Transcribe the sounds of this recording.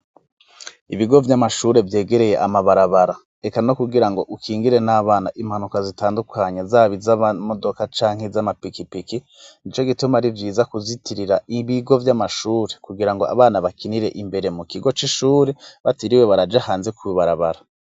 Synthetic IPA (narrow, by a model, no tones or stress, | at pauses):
iβiɡo̞vjamaʃuːɾe̞vje̞ːɡe̞ɾe̞je̞̰ʔamaβaɾaβaɾa | e̞kano̞kuɡiɾaŋɡo̞ʔukʰiːŋɡiɾe̞naːβaːnaʔim̥hanukazitaːndukʰaɲezaːβizaamo̞do̞kat͡ʃaːŋhe̞zamapikipiki | nit͡ʃo̞ɡitumaɾivjiːzakuzitiɾiɾaiβiɡo̞vjamaʃuːɾe̞kuɡiɾaŋɡo̞a̰βaːnaβakiniɾe̞ʔimbe̞ɾe̞mukiɡo̞t͡ʃiʃuːɾe̞βatiɾiwe̞βaɾad͡ʒahaːnze̞kuβiβaɾaβaɾa